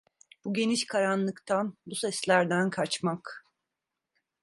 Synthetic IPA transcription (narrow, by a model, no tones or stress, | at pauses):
b̥uɟe̞niʃkʰaɾanlˠɯkt̪ʰanbusɛslʲæɾd̪ænkʰaɾt͡ʃmak